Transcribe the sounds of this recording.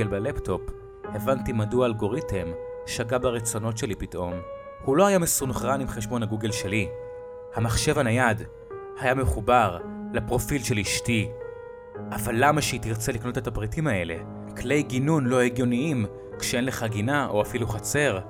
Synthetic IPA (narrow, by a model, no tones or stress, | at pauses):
elbeleptʰo̞p | evantimaduaːlɡo̞ʁitʰemʃaɡabaʁet͡so̞no̞tʃe̞lipitʔo̞m | hulo̞hajamesunχʁanimχeʃbo̞nhaɡuɡe̞lʃe̞li | hamaχʃe̞vanajad | hajameχubaʁlapʁo̞filʃe̞liʃti | avalːamaʃeitiʁt͡selikno̞te̞tapʁitimae̞le̞̰ | kle̞jɡinunlo̞heɡjo̞niim | kʃee̞nle̞χaɡinaʔo̞afiluχat͡se̞ʁ